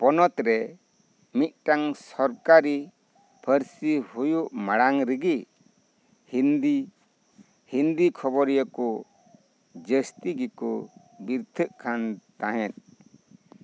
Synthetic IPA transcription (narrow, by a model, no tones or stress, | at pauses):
pɔnɔt̪ɾɛ | mit̪̚ˀʈaŋsɔɾkaɾi | pʰəɾsihujuʔmaɽaŋɾəɡi | nd̪ | hind̪ikʰɔbɔɾjakɔ | d͡ʒəst̪iɡikɔ | biɾt̪ʰəʔkʰant̪ãɦɛ̃t̪̚